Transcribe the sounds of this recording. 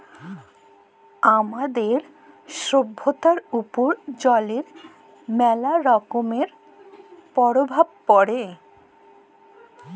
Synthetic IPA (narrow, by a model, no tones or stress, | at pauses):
amad̪eɾ | ʃobʱːot̪aɾupoɾd͡ʑɔleɾ | mɛlaɾɔkomeɾ | pɔɾobʱab̚pɔɽe